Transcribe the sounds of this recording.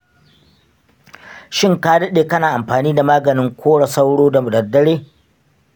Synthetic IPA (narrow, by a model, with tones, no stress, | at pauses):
ʃɪ˦ŋka˦dɐ˦ɗeː˨kɐ˦naː˨ʔa˨mɸaː˨niː˦da˨maː˦ɡɐ˨nɪ˦ŋkʷʰoː˦ɽɐ˨sa˦wɽoː˦da˨mʊ˨dɐ˨dːɐ˦ɽeː˦